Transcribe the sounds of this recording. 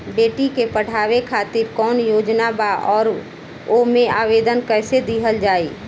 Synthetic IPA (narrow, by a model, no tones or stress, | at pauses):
beːʈikepəɽ̤ʰʱaːwekʰaːt̪ɪɾkɔːnjoːd͡ʒnabaʔɔːɾ | omẽaːʋeːd̪ənkɛːsed̪iɦəld͡ʒaːiː